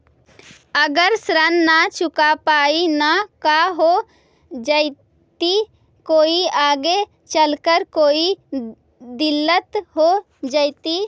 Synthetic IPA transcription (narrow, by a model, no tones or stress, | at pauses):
əɡəɾsɾənːat͡ʃʊkapaːinakaɦo | d͡ʒəɪ | t̪i | koːiaːɡe | t͡ʃəlkəɾkoːi | d̪ɪlːət̪ɦo | d͡ʒəɪt̪i